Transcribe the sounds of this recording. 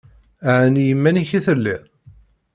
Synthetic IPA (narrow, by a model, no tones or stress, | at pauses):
aʕnijəmːæniçiθəlːi